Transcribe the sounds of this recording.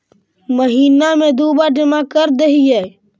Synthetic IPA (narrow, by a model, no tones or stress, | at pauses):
məɦiːnamẽd̪uːbaɖɪmakəɾd̪eɦiɦɛː